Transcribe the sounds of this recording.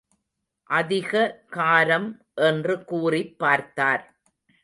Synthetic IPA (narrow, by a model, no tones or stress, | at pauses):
ʔɐðɪɣɐkaːɾɐm | ʔɛndrɯkuːrɪpːaːɾt̪aːɾ